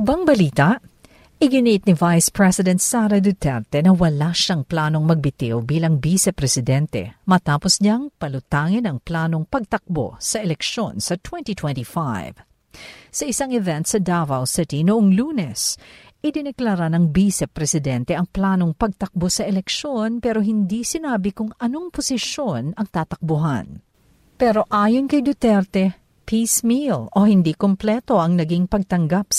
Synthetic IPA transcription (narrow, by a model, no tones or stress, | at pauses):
ʔɪbaŋbɐliːt̪ɐʔ | ʔɪɡɪniʔɪt̪̚nivajspɹɛsɪd̪ɛnt̪saɾɐd̪ut̪ɛɾt̪ɛnɐwɐlaʃaŋplaːno̞ŋmɐɡ̚bɪt̪ɪwbiːlɐŋbiːsɛpɾɛsɪd̪ɛnt̪ɛ̰mɐt̪aːposɲaŋpɐlʊt̪aːŋɪnɐŋplaːno̞ŋpɐɡ̚t̪ɐk̚bo̰sɐʔɛlɛkʃo̰nsɐt̪wɛnt̪it̪wɛ̃nt̪ifajv | sɐʔɪsaŋɛvɛnt̪sɐd̪avɐlsɪt̪inʊʔoŋluːnɛsʔɪd̪ɪnɛklaɾanɐŋbisɛpɾɛsɪd̪ɛnt̪ɛʔɐŋplaːno̞ŋpɐɡ̚t̪ɐk̚bosɐʔɛlɛkʃo̞npɛɾo̞ɦɪnd̪isɪnaːbɪkʊŋɐno̞ŋpʊsɪʃonɐŋt̪aːt̪ɐk̚bʊɦa̰n | pɛɾo̞ʔaːjonkɐjd̪ot̪ɛɾt̪ɛ | pʰismilʔo̞hɪnd̪ikomplɛt̪o̞ʔɐŋnɐɡiŋpɐɡ̚t̪ɐŋɡap̚s